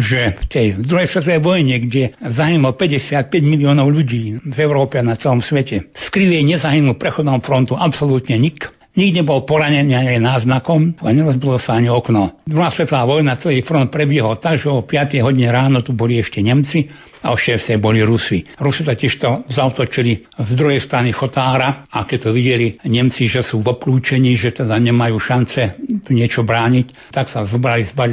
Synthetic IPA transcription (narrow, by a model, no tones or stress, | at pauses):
ʒɛft̪ɛjd̪ɾuɦɛjsʋɛt̪ɔʋɛjʋɔjɲɛɡɟɛzaɦinulɔpɛɟɛsɪat̪̚pɛɟmiliɔːnɔʊʎuɟiːvɛʊɾɔːpɛanat͡sɛlɔmsʋɛcɛskɾiʋɛjɲɛzaɦinulpɾɛxɔd̪nɔːmufɾɔnt̪uʔapsɔluːt̪ɲɛɲik | ɲiɡd̪ɲɛbɔlpɔɾaɲɛniːaɲɛnaːznakɔma̰ɲɛɾɔzbilɔsaaɲiɔknɔd̪ɾuɦaːsʋɛt̪laːʋɔjnat͡sɛliːfɾɔnt̪̚pɾɛbjɛɦɔlt̪aɡʒɛɔpɪat̪ɛjɦɔɟiɲɛɾaːnɔt̪ubɔliɛʃcɛɲɛmt͡si | a̰ɔʃɛːst̪ɛjbɔliɾusiɾusit̪acʲɪɛʃt̪ɔzaɔt̪ɔt͡ʃili | zd̪ɾuɦɛjst̪ɾanixɔt̪aːɾaakɛc̚t̪ɔʋiɟɛliɲɛmt͡siʒɛsuːʋɔkluːt͡ʃɛɲiːʒɛt̪ɛd̪aɲɛmajuːʃant͡sɛt̪uɲɪɛt͡ʃɔbɾaːɲic | t̪aksazɔbɾalizbal